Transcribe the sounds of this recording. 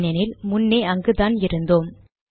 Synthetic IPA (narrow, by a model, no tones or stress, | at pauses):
nɐnɪlmʊnːeːɐŋɡɯðaːnɪɾɯnd̪oːm